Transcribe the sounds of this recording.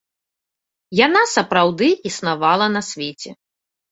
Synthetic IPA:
janasɐpɾawd̪ɨisnavalˠɐnɐsʲvʲet͡sʲɛ

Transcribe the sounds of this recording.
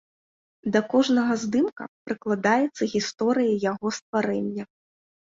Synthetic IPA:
d̪ɐkɔʐnɐɣɐzd̪ɨmkɐ̰pɾɨklˠad̪ajɛt̪sːɐɣʲist̪ɔɾɨjɐjaɣɔst̪vaɾɛnʲːɐ

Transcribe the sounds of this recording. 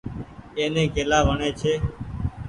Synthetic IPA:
eːnẽːɡeːlaːʋəɳeːt͡ʃʰeː

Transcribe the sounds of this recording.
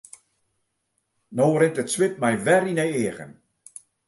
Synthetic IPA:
noːɾɪntətswɪp̚mɛjʋɛɾinɛjeəɣə̰n

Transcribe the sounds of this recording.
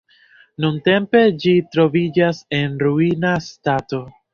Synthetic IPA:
nunte̞mpe̞d͡ʒitɾo̞vid͡ʒase̞nɾuinastato̞

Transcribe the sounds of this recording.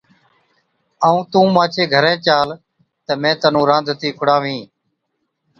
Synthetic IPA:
aːũːt̪ũːmãːt͡ʃʰeːɡʱəɾẽːt͡ʃaːl | t̪əmẽːt̪ənũːɾãːnd̪ʱt̪iːkʰʊɽaːʋĩː

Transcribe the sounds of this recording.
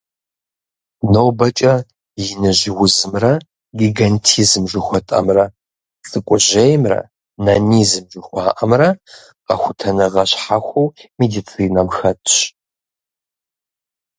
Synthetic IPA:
nowbɐt͡ʃʼɐ | jɪnɨʑɪwʊzɨmrɐ | ɡiɡɐntʰizɨmʒʷɪxʷɔtʼɐ̰mrɐ | t͡sʼɨkʷʼʊʑejmrɐ̰ | nɐnizɨmʒʷʊxʷɑːʔɐmrɐ | qɐ̰xʷʊtʰɐnɨʁɐɕħaxʷowmedit͡sʰiːnɐmxɐtʰʼɕ

